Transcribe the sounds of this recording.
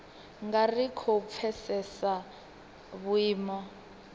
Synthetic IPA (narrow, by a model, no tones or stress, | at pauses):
ŋɡarikʰɔp̪fʰɛsɛsa | βuiːmɔ